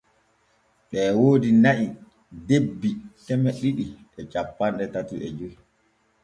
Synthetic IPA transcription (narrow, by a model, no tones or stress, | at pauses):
ɓɛːwoːdinaʔi | debːitɛmɛɗiɗi | ɛt͡ʃapːanɗɛtatiʔɛd͡ʒoj